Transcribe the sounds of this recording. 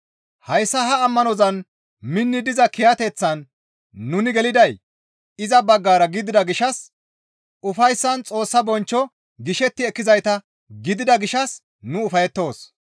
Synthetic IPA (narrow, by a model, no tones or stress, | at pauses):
hɐjsːɐɦɐːmːɐnɔzɐn | mɪnːɪd̪ɪzɐkɪjɐt̪ɛt͡sːɐnː | ʊnɪɡɛlɪd̪ɐj | ɪzɐbɐɡːaːɾɐɡɪd̪ɪd̪ɐɡɪʃɐs | ʊfɐjsːɐnt͡sʼo̞ːsːɐbɔnt͡ʃːɔ | ɡɪʃɛt̪ːɪɛkːɪzɐjt̪ɐ | ɡɪd̪ɪd̪ɐɡɪʃɐs | nʊʊfɐjɛt̪ːo̞ːs